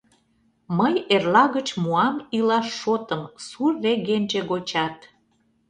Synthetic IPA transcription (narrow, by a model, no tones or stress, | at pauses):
məjerlɑɣət͡ɕmuɑmilɑʃːot̪əmsurːeɣenʲʒeɣot͡ɕɑt̪